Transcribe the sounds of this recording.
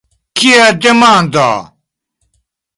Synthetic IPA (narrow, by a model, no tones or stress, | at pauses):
kiad̪emaːnd̪a̰ː